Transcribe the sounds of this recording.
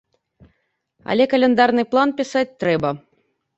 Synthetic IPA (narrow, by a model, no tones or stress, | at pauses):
ɐ̰lʲɛkɐlʲɛnd̪arnɨplˠanpʲisat̚ʲt̪ɾɛbɐ